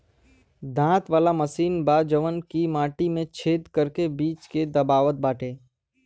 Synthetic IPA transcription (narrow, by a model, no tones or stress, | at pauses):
d̪ãːt̪ʋaːlaməsiːnbaːd͡ʒəʋənkimaːʈimẽt͡ʃʰeːd̪kəɾkebiːt͡ʃked̪ɐbaːʋət̪̚baːʈʰeː